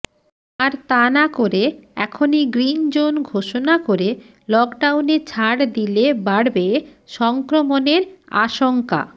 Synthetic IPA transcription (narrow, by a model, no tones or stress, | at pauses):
aɾt̪anakoɾeɛkʰoniɡɾind͡ʑonɡʱoʃonakoɾe | lɔkɖawnet͡ɕʰaɽd̪ilebaɽbeʃɔŋkɾomoneɾa̰ʃoŋka̰